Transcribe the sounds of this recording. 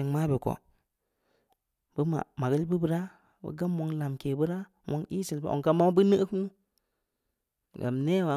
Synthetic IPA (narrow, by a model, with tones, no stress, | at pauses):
e˨ŋma˦bi˨ko̰˨ | b̥ə˦ma̰˨ma˨ɡə˦lbə˦bə˦ɾa˦ | bə̰˦ɡa˦mːo˨˦ŋla˨mke˨bə˦ɾa˦ | mo˦ŋi˦si˨lbə̰˦ʔo̰˨ŋka˦ma˦bə˦nə˦kmu˦ | ɡa̰˨mne˦wa˨